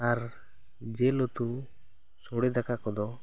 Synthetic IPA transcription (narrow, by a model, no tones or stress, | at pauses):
aɾ | d͡ʒelɔt̪u | soɽɛd̪akakɔd̪ɔ